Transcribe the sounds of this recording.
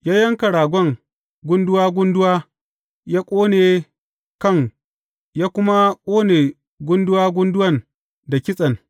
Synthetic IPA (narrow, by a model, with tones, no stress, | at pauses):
jaː˦jɐ˦ŋka˨ɽaː˨ɡʷɔ˦˨ŋ | ɡʷʊ˦ndʊ˦waː˦ɡʷʊ˦ndʊ˦waː˦ | jaː˦kʷʼoː˦neː˨ | kɐ˦˨ŋ | jaː˦kʷʊ˦ma˦kʷʼoː˦neː˨ | ɡʷʊ˦ndʊ˦waː˦ɡʷʊ˦ndʊ˦wɐ˦˨n | da˨kʲɪ˦sʼɐ˨n